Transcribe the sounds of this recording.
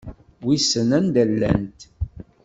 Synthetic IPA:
wisənænd̪ælːæ̰nt̪

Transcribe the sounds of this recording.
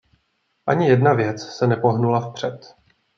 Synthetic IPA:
ʔaɲɪjɛdnavjɛt͡ssɛnɛpo̞ɦnulafpr̝̥ɛt̪

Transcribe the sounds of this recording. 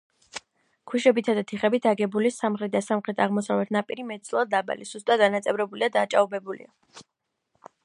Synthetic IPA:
kʰiʃɛbit̪ʰad̪at̪ʰiχɛbit̪ʰaɡɛbulisamχɾɛt̪̚d̪asamχɾɛt̪ʰaʁmɔsavɛt̪ʰnapʼiɾimɛt̪̚d̪zlˠad̪d̪aba̰liz̥ust̪ʼad̪̚anat̪sʼɛvɾɛbulid̪ad̪aːt͡ʃʼaubɛbulḭa

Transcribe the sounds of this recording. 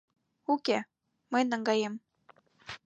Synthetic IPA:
uke | mɤjnɤ̆ŋɡɑjem

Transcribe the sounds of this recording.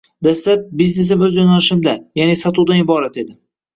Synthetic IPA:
d̪aslap̚bizne̞s̬ɪmɵzjɒnalɪʃɪmd̪ajanesat̪ʰuwd̪anɪbɒɾat̪e̞d̪ɪ

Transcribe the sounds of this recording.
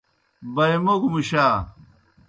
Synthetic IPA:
bɐjmɐɡumuɕaː

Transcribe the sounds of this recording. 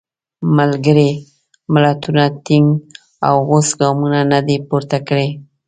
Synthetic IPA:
malɡəɾi | mlat̪ʊnat̪ɪŋ | a̰wɣʊsɡɑmʊnanad̪epʊɾt̪akɽe

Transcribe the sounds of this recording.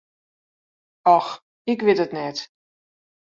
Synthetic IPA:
ɑx | ɪkʋɪtətnɛt

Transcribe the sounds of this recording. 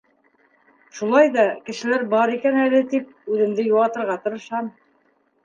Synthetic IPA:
ʃulˠɑjðɑkɘ̆ʃɘ̆læɾbɑɾikænælɘt̪ip̚ʉðɘ̆md̪ɘjuʁɑt̪ɤ̆ɾʁɑt̪ɤ̆ɾɤ̆ʃɑm

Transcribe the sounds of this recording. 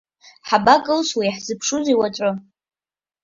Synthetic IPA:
ħabakʼɨlswijaħzɨpʰʂuziwat͡ʃʷʼʊ

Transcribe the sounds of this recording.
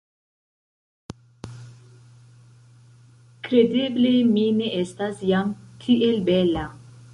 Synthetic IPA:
kɾe̞deblemine̞ʔestasjamtʰiʔelbela

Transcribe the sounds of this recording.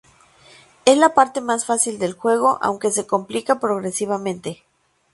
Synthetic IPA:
e̞slapaɾt̪e̞masfasild̪e̞lxwe̞ɣ̞o̞ʔa̰wŋke̞se̞ko̞mplikapɾo̞ɣ̞ɾe̞siβ̞amẽnt̪e̞

